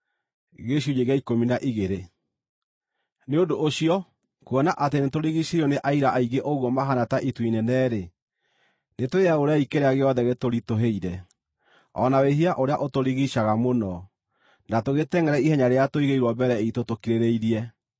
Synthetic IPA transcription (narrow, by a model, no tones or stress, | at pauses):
ɣeɕuɲeɣjaikominaʔiɣeɾe | neondoʔːɕiɔ | kwɔnaʔatenetoɾiɣiɕeiɔneʔaiɾaʔaiɡeʔoɣwɔmaɦanataʔitwinɛnɛːɾe | netoeaoɾeaikeɾeaɣeɔðɛɣetoɾitoɦeiɾɛ | ɔ̰naweɦiaʔoɾeaʔotoɾiɣiɕaɣamonɔ | natoɣetɛŋɡɛɾɛihɛɲaɾeatoiɣeiɾwɔbɛɾɛitotokiɾeɾeiɾiɛ